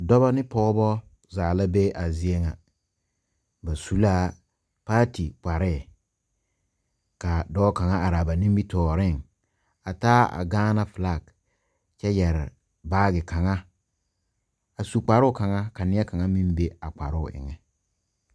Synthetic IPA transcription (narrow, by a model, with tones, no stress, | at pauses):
dɔ˦βa˦nɪ˦pɔː˦bɔ˦ | zaː˨la˦be˦ʔa˨zɪ˦e˦ŋa˨ | ba˨su˨laː˦ | paː˦ti˨k͡pa˨ɾɪ˦˨ | ka˨dɔː˦ka˨ŋa˦ʔa˨ɾa˨ba˨nĩ˦mbi˦tɔː˨ɾɪ˦˨ŋ | a˨taː˦a̰˨ɡaː˦na˦fla˦˨ɡ | t͡ʃɛ˦jɛ˨ɾɪ̰˨ | baː˦ɡɪ˨ka˨ŋa˦ | a˨su˨k͡pa˨ɾʊ˦˨ka˨ŋa˦ka˨nɪ˦ɛ˦ka˨ŋa˦mi˦m˦be˦a˨k͡pa˨ɾʊ˦˨ʔɪ̰˨ŋɛ˨